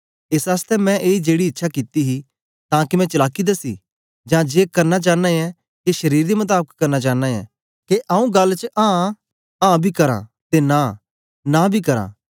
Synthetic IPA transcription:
ɪsaːst̪ʰɛmɛ̃ʔeːid͡ʒeːɽiɪtːʃʰakɪt̪iɦi | t̪ãːkimɛ̃t͡ʃɐlaːkid̪asḭ | d͡ʒãd͡ʒeːkɐɾnat͡ʃãːnaɛ | keʃɐɾiːɾd̪emʊt̪̬aːbəkkɐɾnat͡ʃãːnaɛ̰ | keʔaːũɡɐlt͡ʃəʔãː | ãːbʱikɐɾã̰t̪ena | nabʱikɐɾã̰ː

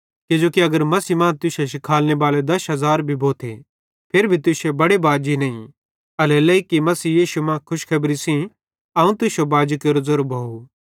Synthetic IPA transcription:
kɪd͡ʒoːkiɐɡəɾmɐsimãːt̪ʊseʃ̬ɪkʰaːlnebaːled̪ɐsɦɐzaːɾbʱibʱoːt̪ʰḛ | pʰeɾbʱit̪̬ʊsebɐɽebaːd͡ʒinɐĩ | ɐlɛlɐikːimɐsiːjiːʃumãːkʰʊʃkʰɐbɾisĩ | ɐũt̪ʊsjobaːd͡ʒikeɾʊzʊɾbʱɐu

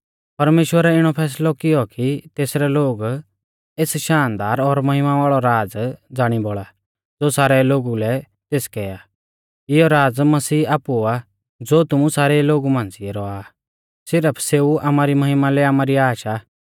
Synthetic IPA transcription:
pɐɾmeːʃwəɾaɪɽ̃ɔpʰɛːs̬lɔkɪjɔkit̪eːsɾɛloːɡ | eːsʃaːnd̪aːɾɔɾmɐɦɪmaʋaːɭɔɾaːd͡zd͡zaːɽ̃iboːɭa | d͡zoːsaːɾɛloːɡulɛ | t̪eːskɛːja | ɪjɔɾaːd͡zmɐsiːaːpua | d͡zoːt̪ʊmũsaːɾɛloːɡumãːnd͡ziɛɾɔaː | sɪɾəpʰseːuamaːɾimɐɦɪmalɛaːmaːɾiaːʃa

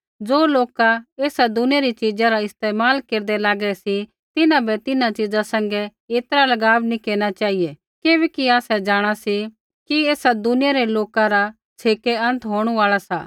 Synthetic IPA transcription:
d͡ʒoːloːkaeːsad̪ʊnɪjaɾit͡ʃid͡ʒãɾaɪst̪eːmaːlkeːɾd̪elaːɡɛsi | t̪ɪnãbɛt̪ɪnãt͡ʃɪd͡zãsɐ̃ŋɡɛeːt̪ɾalɐɡaːbnĩkeːɾɽ̃at͡ʃaːɦije | keːʋɛkiaːsɛd͡ʒaːɽ̃asi | kieːsad̪ʊnɪjaɾeloːkãɾa | t͡ʃʰeːkeɐ̃nt̪ɦoːɽ̃uaːɭasa̰ː

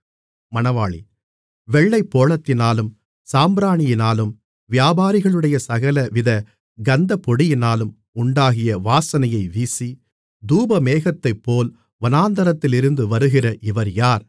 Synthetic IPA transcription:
mɐnɐʋaːɭḭ | ʋɛɭːɐɪpːoːɭɐt̪ːɪnaːlɯm | saːmbɾaːɳɪjɪnaːlɯm | ʋjaːbaːɾɪɣɐɭɯɽɐjɐsɐɣɐlɐʋɪðɐ | ɡɐnd̪ɐpɔɽɪjɪnaːlɯm | ʊɳɖaːɣɪjɐʋaːsɐnɐjɐɪʋiːsi | d̪uːbɐmeːɣɐt̪ːɐɪpːoːl | ʋɐnaːnd̪ɐɾɐt̪ːɪlɪɾɯnd̪ɯʋɐɾɯɣɪrɐʔɪʋɐɾjaːɾ

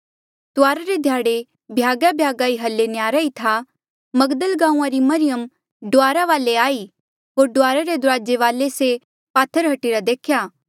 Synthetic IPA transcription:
t̪ʊaːɾaɾed̪ʱjaːɽe | bʱjaːɡabʱjaːɡaːiɦɐlːenɪjaːɾait̪ʰa | mɐɡd̪əlɡãːũãɾimɐɾɪjəm | ɖʊaːɾaʋaːleaːi | ɦoːɾɖʊaːɾaɾed̪ʊɾaːd͡ʒeʋaːlese | paːt̪ʰːəɾɦɐʈiːɾad̪eːkʰjaː

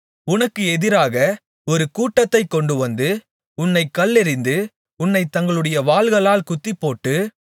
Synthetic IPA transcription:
ʊnɐkːɯɛðɪɾaːɣɐ | ɔɾɯkuːʈːɐt̪ːɐɪkːɔɳɖɯʋɐnd̪ɯ | ʊnːɐɪkːɐɭːɛɾɪnd̪ɯ | ʊnːɐɪt̪ːɐŋɡɐɭɯɽɐjɐʋaːlɣɐɭaːlkʊt̪ːɪpːoːʈːɯ

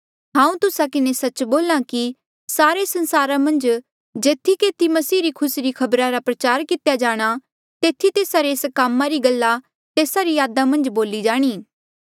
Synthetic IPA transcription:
ɦãːũt̪ʊsakɪnesɐt͡ʃboːlãki | saːɾesɐ̃nsaːɾamɐ̃nd͡ʒ | d͡ʒeːt̪ʰːikeːt̪ʰimɐsiːɾikʰʊsɾikʰɐbɾaɾapɾɐt͡ʃaːɾkɪt̪jad͡ʒaːɽ̃a | t̪eːt̪ʰːit̪eːsaɾeːskaːmːaɾiɡɐlːa | t̪eːsaɾijaːd̪amɐ̃nd͡ʒboːlid͡ʒaːɽ̃iː

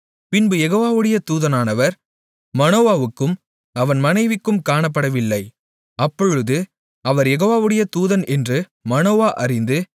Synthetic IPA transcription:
pɪnbɯjɛɣoːʋaːʋɯɽɐjɐt̪uːðɐnaːnɐʋɐɾ | mɐnoːʋaːʋɯkːɯm | ɐʋɐnmɐnɐɪʋɪkːɯmkaːɳɐp̬ːɐɽɐʋɪlːɐɪ | ɐpːɔɻɯðɯ | ɐʋɐɾjɛɣoːʋaːʋɯɽɐjɐt̪uːðɐnɛndrɯ | mɐnoːʋaːʔɐrɪnd̪ɯ

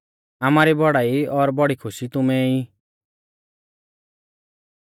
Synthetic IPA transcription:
amaːɾibɔɽaːiɔɾbɔɽikʰʊʃit̪ʊmɛi

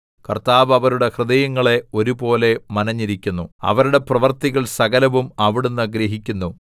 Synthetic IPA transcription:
kɐ̰rt̪aːʋɐʋɐɾuɽe̞hrɨd̪ɐjɐŋːɐɭe̞o̞ɾubo̞ːle̞mɐnɐɲːiɾikʲːunːuɐ̰ʋɐɾuɽe̞prɐʋɐrt̪iɣɐɭsɐɣɐlɐʋumɐʋiɽunːɐɡɾeɦikʲːunːu

